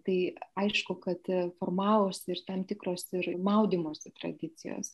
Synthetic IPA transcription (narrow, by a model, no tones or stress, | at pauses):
t̪ɐɪɐɪʃkʊkɐt̪foːrmɑːʋoːsʲɪrt̪ɐmt̪ʲɪkɾoːsɪɾmɐʊd̪ʲiːmoːsʲɪt̪ɾɐ̰d̪ʲɪt̪sʲɪ̰jo̰ːs